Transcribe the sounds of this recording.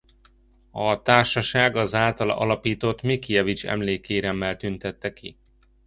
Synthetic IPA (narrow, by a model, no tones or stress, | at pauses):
ɒt̪aːrʃɒʃaːɡɒzaːlt̪ɒlɒ̰lɒpiːt̪o̞t̪mikijɛvit͡ʃɛ̰mleːkeːɾɛmːɛlt̪ynt̪ɛt̪ːɛki